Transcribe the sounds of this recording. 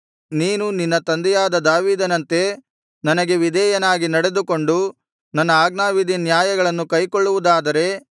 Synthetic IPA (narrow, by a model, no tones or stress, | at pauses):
niːnuninːɐt̪ɐnd̪ɛjaːd̪ɐd̪aːʋiːd̪ɐnɐnt̪e̞ | nɐnɐɡe̞ʋid̪ʱɛːjɐnaːɡinɐɽe̞d̪uko̞ɳɖu | nɐnːɐaːɡnaːʋid̪ʱinjaːjɐɡɐɭɐnːukɐjkoɭːuʋud̪aːd̪ɐɾe̞